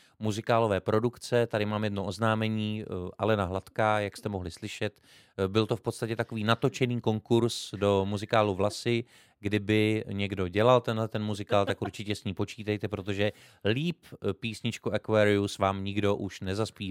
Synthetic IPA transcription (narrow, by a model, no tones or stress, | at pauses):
muzɪkaːlo̞vɛːpɾo̞dukt͡sɛt̪adɪmaːmjɛdnoʔoznaːmɛɲiːʔalɛnaɦlat̪kajakst̪ɛmoɦlɪslɪʃɛt̪ | bɪlt̪o̞fpo̞t̪st̪acɛt̪ako̞viːnat̪o̞t͡ʃɛniːko̞ŋkuɾsdo̞muzɪkaːluvlasɪ | ɡdɪbɪɲɛɡdo̞ɟɛlalt̪ɛnlɛt̪ɛnmuzɪkaːlt̪akʔuɾt͡ʃɪcɛsɲiːpo̞t͡ʃiːt̪ɛjt̪ɛpɾo̞t̪o̞ʒɛ | liːppiːsɲɪt͡ʃkuʔɛkvɛːɾɪusvaːmɲɪɡdo̞ʔuʃnɛzaspiː